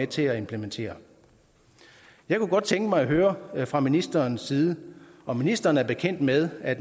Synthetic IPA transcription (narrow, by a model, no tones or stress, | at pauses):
et͡sʰe̝læe̝mpʰlement͡sʰe̝̰ːɐ | jɑ̈ɪkuɡ̥ɒ̽d̥̚t͡sʰeŋɡ̥əmɑ̈ɪɒɦøːɐfʁɑ̈minisd̥ɐnsːiːð̞ˠəɒ̽minisd̥ɐːn̩æɐb̥e̝kʰen̰d̥með̞ˠæd̥